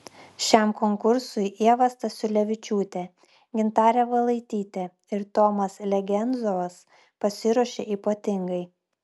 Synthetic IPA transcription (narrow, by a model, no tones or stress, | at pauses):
ʃʲɛˑmkɔŋkʊɾsʊɪʔiɛʋɐst̪ɐsʲʊlʲɛʋʲɪt͡ʃʲuːt̪ʲɛ | ɡʲɪnt̪ɑːɾʲɛʋɐlˠɐɪt̪ʲiːt̪ʲɛ | ɪɾt̪ɔːmɐslʲɛɡʲɛnd̪zoʋɐs | pɐsʲɪɾuɔʃʲḛʔiːpoːt̪ʲɪŋɡɐɪ